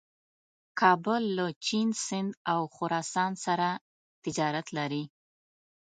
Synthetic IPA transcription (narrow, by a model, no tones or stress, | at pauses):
kʰɑbʊlːət͡ʃinsɪnd̪awxʊɾɑsɑnsaɾa | t̪ɪd͡ʒɑɾat̪laɾi